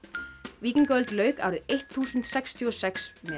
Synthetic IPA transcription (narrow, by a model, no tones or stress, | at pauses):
viːcɪnkœlt̪lœːɥka̰ːwɾɪðejht̪θuːsʏnt̪sɛkst̪ʰjuɔsɛksmɛ